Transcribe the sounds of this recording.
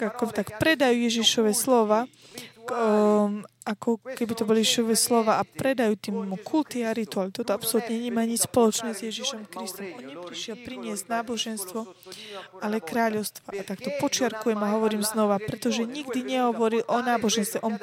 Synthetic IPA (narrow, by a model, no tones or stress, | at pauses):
akɔt̪akpɾɛd̪ajuːjɛʒiʃɔʋɛslɔʋaː | akɔkɛbit̪ɔbɔlijɛiʃɔʋɛslɔʋaːapɾɛd̪ajuːt̪iːmkʰult̪iaɾit̪ualit̪ɔt̪ɔapsɔlut̪ɲɛɲɛmaːɲispɔlɔt͡ʃnɛːzjɛʒiʃɔmkɾist̪ɔmɔnɲɛpɾiʃɪɛlpɾiɲɪɛztnaːbɔʒɛnst̪ʋɔ | alɛkɾaːʎɔʊst̪ʋaʔat̪akt̪ɔpɔt͡ʃɪaɾkujɛmaɦɔʋɔɾiːmznɔʋapɾɛt̪ɔʒɛɲiɡd̪iɲɛɦɔʋɔɾilʔɔnaːbɔʒɛnst̪ʋɛʔɔn